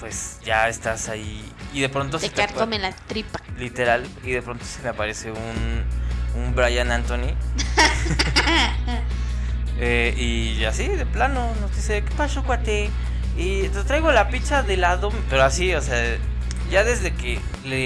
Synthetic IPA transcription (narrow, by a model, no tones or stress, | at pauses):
pwe̞sʝaest̪asaiːðe̞pɾo̞nt̪oseet̪aomelat̪ɾipḁlit̪e̞ɾaliðe̞pɾo̞nt̪o̥semeapaɾe̞se̞un | umbɾajanãnt̪oni | ei | asiðeplanonozd̪isekepasokwat̪e | it̪et̪ɾajɣo̞lapit͡ʃaðelaðo̞pe̞ɾoasiosea | ʝaðe̞zðe̞ke | le